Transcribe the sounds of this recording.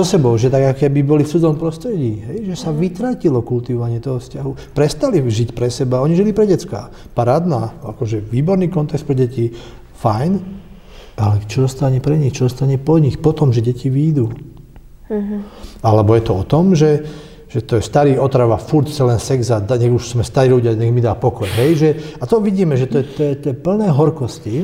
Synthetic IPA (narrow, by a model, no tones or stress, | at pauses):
zɔsɛbɔʊʒɛt̪aɡakɔkɛbibɔlift͡sud͡zɔɔmpɾɔst̪ɾɛɟiːɦɛjʒɛsaʋit̪ɾacilɔkult̪iʋɔʋaɲɪɛt̪ɔɦɔfscaɦupɾɛst̪aliʒicpɾɛsɛbaɔɲiʒilipɾɛɟɛt͡ska̰ː | paɾaːd̪naːakɔʒɛʋiːbɔɾniːkɔnt̪ɛkst̪pɾɛɟɛci | fajn | ʔalɛt͡ʃɔɔst̪aɲɛpɾɛɲixt͡ʃɔɔst̪aɲɛpɔɲixpɔt̪ɔmʒɛɟɛciʋiːd̪uː | alɛbɔjɛt̪ɔɔt̪ɔmʒɛ | ʒ̥ɛt̪ɔjɛst̪aɾiːɔt̪ɾaʋafuɾt̪sɛlɛnsɛɡzad̪aɲɛɣuʃsmɛst̪aɾiːluɟiaɲɛɣmid̪aːpɔkɔjɦɛjʒɛat̪ɔʋiɟiːmɛʒɛt̪ɔjɛt̪ɔjɛt̪ɔjɛpl̩nɛːɦɔɾkɔsci